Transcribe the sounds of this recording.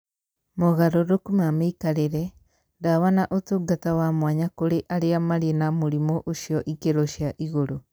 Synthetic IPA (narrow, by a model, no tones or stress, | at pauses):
mɔɣaɾoɾokumameikaɾeɾɛ | dawanaʔotoɡatawamwaɲakoɾeʔaɾeamaɾienamoɾimɔʔoʃiɔʔikeɾoʃiaʔiɣoɾo